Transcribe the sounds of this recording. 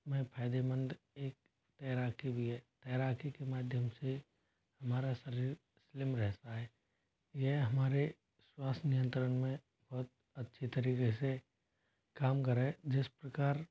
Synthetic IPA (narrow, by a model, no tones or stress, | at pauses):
mẽpʰaːd̪emə̃nd̪ | eːk̚ | t̪ɛːɾaːkʰibʱiɦɛːt̪ɛːɾaːkʰikemaːd̪ʱjəmse | hɐmaːɾasɐɾiːɾ | slɪmɾɛɦtaɦɛː | jeɦɦɐmaːɾe | swaːst̪nijə̃nt̪ɾənmẽ | bɔɦʊt̪̚ | ɐtːʃʰit̪əɾiːkese | kaːmkɐɾɦɛd͡ʒɪspɾɐkaːɾ